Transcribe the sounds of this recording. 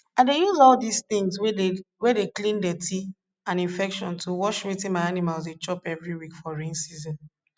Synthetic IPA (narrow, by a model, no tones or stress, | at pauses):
adejuzɔldistĩŋzwwɛdeklĩndɛtʰi | ãnĩnfɛkʃɔ̃ntʰuwɔʃwitĩnmaɪanimalzdet͡ʃɔpɛvɹiwikfɔɹĩnsizɔ̃n